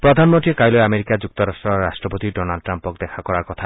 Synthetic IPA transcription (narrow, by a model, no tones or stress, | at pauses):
pɾɔd̪ʱanmɔnʈiekajlɔeameɾikad͡ʒuk̚t̪ɔɾasʈɾɔɾasʈɾɔpot̪iɖɔnalɖɔʈːɾampɔk̚d̪ekʰakɔɾaɾkɔt̪ʰa